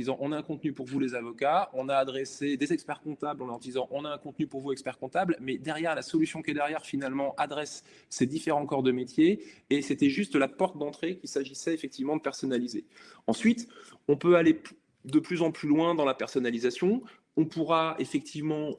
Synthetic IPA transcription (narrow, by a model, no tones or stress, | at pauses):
izɑ̃ʔɔ̃naɛ̃kɔ̃t̪nypuʁvulezavɔkaɔ̃naːd̪ʁesed̪ezɛkspɛʁkɔ̃t̪ablɑ̃lɔʁd̪izɑ̃ʔɔ̃naɛ̃kɔ̃t̪nypuʁvuɛkspɛʁkɔ̃t̪ablmɛd̪ɛʁjɛʁlasɔlysjɔ̃kɛd̪ɛʁjɛʁfinalmɑ̃ʔad̪ʁɛsː | ed̪ifeʁɑ̃kɔʁd̪əmet̪jeːset̪ɛʒyst̪lapɔʁt̪̚d̪ɑ̃t̪χekʲisaʒisɛefɛk̚t̪ivmɑ̃d̪əpɛʁsɔnalize | ɑ̃sɥit̪ | ɔ̃pøale | d̪əplyzɑ̃plylwɛ̃d̪ɑ̃lapɛʁsɔnalizasjɔ̃ | ɔ̃puʁaefɛk̚t̪ʰivmɑ̃